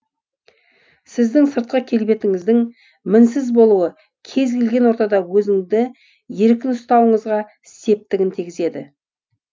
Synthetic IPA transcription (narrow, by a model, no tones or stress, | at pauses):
sɪzd̪ɪŋsəɾt̪̚qɑkʲʰe̞lbe̞t̪ɪŋɪzd̪ɪŋ | mɪnsɪzbo̞lˠuə | kʲʰe̞zɡʲelɡʲe̞nwo̞ɾt̪ɑd̪ɑwɵzɪŋd̪ɪ | je̞ɾkʲɪnʊst̪ɑwəɴəzʁɑ | ɪst̪e̞p̚t̪ɪɡʲɪnt̪ʰiɡʲɪze̞d̪ɪ